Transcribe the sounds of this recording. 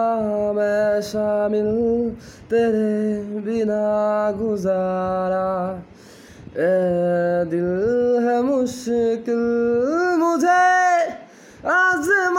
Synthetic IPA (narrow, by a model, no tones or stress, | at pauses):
meʃaːmɪl | t̪eːɾebinaɡʊzaːɾa | e | d̪ɪlɦɛmʊʃkɪl | mʊd͡ʒʱe | azm